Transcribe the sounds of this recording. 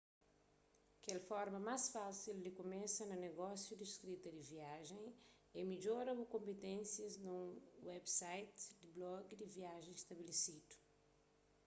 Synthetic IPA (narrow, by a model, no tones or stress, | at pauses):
kɛlfɔɾmɐmasfasild̪ɪkomesɐnɐneɡɔsjud̪iskɾit̪ɐd̪ɪviaʒẽj̃ | emid͡ʒoɾɐbʊkõmpet̪ẽnsjɐznũwɛbsajt̪d̪ɪblɔɡd̪ɪviaʒẽj̃ist̪ɐbelesid̪ʊ̥